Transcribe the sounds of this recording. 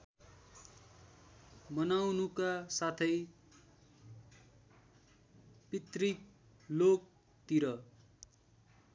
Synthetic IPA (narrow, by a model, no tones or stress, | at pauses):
mʌnawnukasat̪ʰʌj | pit̪rik̚ | lok̚ | t̪iɾʌ